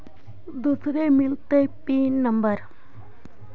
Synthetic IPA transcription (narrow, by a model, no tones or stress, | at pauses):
d̪usɾemɪlt̪epiːnːəmbəɾ